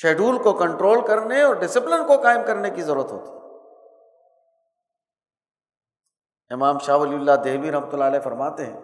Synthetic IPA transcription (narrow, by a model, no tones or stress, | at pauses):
ʃeːɖuːlkokɐ̃ɳʈɾoːlkɐɾneɔːɾɖɪsɪplɪnkokaːɪmkɐɾnekizɐɾuːɾət̪ɦo̰ːt̪iɦ | ɪmaːmʃaːʋɐliʊlːad̪eːbiɾɐɦmət̪ʊlːaːlɛːfɐɾmaːt̪eɦɛ̰̃ː